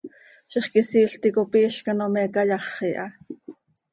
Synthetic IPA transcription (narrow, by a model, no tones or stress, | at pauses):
ʃiχkisiːɬt̪ikopiːʃkɑnomɛkɑjɑχːiʔɑ